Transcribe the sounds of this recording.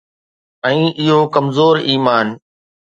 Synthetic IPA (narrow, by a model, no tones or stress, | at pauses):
ɛ̃ːʔɪɦokɐmzoːɾiːmaːn